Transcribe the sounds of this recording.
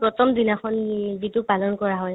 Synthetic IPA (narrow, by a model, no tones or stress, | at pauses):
pɹɔtʰɔmdinakʰɔnbitʊpalɔnkɔɹaɦɔj